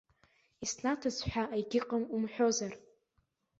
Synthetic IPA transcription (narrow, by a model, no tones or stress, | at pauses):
isnatʰɨzħʷᶣaʔajɡʲɪqʼəmumħʷᶣo̞zar